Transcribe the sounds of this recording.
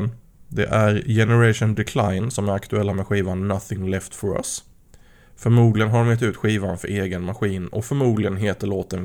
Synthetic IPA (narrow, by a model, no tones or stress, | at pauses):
n | d̪ɛ̰ʔæɾjɛnɛɾaʂʊnd̪ɛkʰlajnsɔmæɾakt̪ɵɛlːamɛɧiːvanːaθɪŋlɛft̪fɔɾa̰s | fœɾmuːd̪lɪɡənɦad̪ɔmjɛt̪̬ʉ̟ːt̪ɧiːvanfœɾeːɡənmaɧiːnɔ̰kfœɾmuːd̪lɪɡənɦeːt̪əɭoːt̪ən